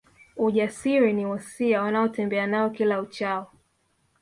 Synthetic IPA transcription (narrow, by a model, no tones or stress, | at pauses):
uʄasiɾiniwɔsiawanaɔtɛmbɛanaɔkilaut͡ʃaɔ